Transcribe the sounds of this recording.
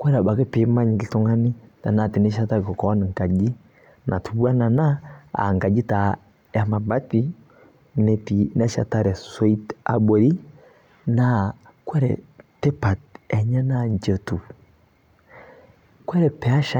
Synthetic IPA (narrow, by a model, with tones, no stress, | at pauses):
kwɛ˦ɾa˨ba˨kɛ˦pi˨˦ma˦ɲi˨li˨tu˦ŋa˦ni˦ta̰˨na˨ti˨nɛ˦ʃa˦ta˦˨kɔ˨kɔ˨˦n˨ŋ˨ka˨d͡ʒi˦ | nʔa˨tʰu˨bu˦a˦na˨na˦a̰˨ŋ˨ka˨d͡ʒi˦ta˨ | a˨ma˨ba˦ti˦ | nɛ˨ti˨nɛ˦ʃa̰˨ta˦ɾɛ˨sɔ˦i˦ta̰˨bɔ˨ɾi˦ | na˦ | kwɛ˦ɾɛ̰˨tɛ˦pa˨tɛ˨ɲɛ˦na˦ɲd͡ʒə˨tu˨ | kwɛ˦ɾɛ˨pɛ˨˦a˦ʃa˨